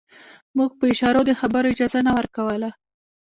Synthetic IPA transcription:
muɡ̚pəɪʃɑɾod̪əxabəɾoɪd͡ʒɑzanawəɾkawəla

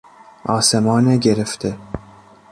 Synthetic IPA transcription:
ʔɒːsemɒːneɡeɾeft̪ʰe

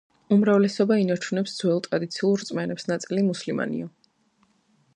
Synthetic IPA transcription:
umɾavlɛsɔbainat͡ʃʰunɛpsd̪zwɛlˠt̪ʼɾad̪it̪sʰiulˠɾt̪sʼmɛnɛpsnat̪sʼilimuslima̰nḭɔ

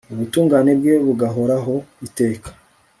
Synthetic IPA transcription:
uβutuːŋɡaːne̞bɡe̞βuɡaɦo̞ɾaɦo̞ite̞ːkḁ

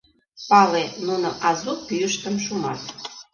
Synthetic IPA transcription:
pɑlenuno̰ʔɑzupyəʃt̪əmʃumɑt̪

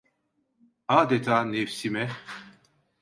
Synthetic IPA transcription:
aːd̪ɛt̪ʰaːnefsimɛ

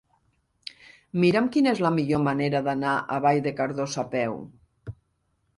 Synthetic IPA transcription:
miɾamkinəezləmiʎomaneɾaðanaʔa̰βajðekaɾðosapɛw

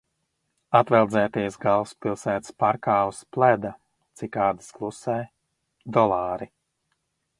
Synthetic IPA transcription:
at̪vɛlˠd̪zɛːt̪iːsɡalˠspilˠsæːt̪spaɾkaːusplɛd̪a | t̪sikaːd̪asklˠusɛː | d̪ɔlˠaːɾi

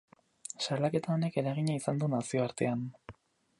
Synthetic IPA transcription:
salake̞t̪ao̞ne̞ke̞ɾaɣ̞iɲaisand̪unasio̞aɾt̪e̞an

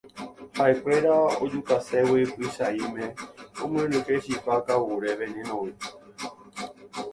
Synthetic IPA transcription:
hae̞kʷe̞ɾao̰d͡ʒukasewipɨʃaimẽõmwẽɾukeʃipakawuɾeʋẽnĩnõwi

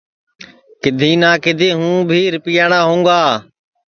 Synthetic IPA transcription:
kɪd̪ʱiːnaːkɪd̪ʱiːɦũːbʱiːɾɪpijaːɳaːɦũːŋɡaː

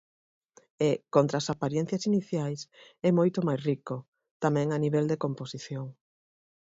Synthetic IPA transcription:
ekont̪ɾaːsapaɾjɛ̃n̟θjasiniθjajsɛmojt̪ʊmajsriko | t̪amɛ̃ŋaniβ̞ɛld̪ekomposiθjoŋ

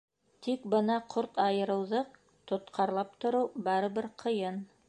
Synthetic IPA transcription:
t̪ikbɤnɑqʰoɾt̪ɑjɤ̆ɾɤ̆wðɤq̚ | t̪ŏt̪qʰɑɾlˠɑp̚t̪ŏɾɤwbɑɾɤ̆βɘɾqʰɤ̆jɤn

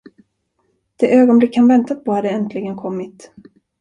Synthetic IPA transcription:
d̪̥ɛʔøːɡɔnblɪkːhanvɛnt̪apʰɔhad̪ɛɛnt̪ʰlɪɡənkʰɔmːɪt̪

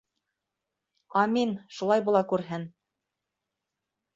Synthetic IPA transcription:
ɑminʃulˠɑjbulˠɑkʉɾɦɘn

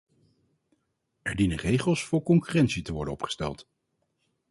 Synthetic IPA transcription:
ɛɹdinənrejχəlˠsfʊːɹkɔŋkyːrɛntsitəʋɔ̰ɹdənɔpχə̥stɛ̰lˠt

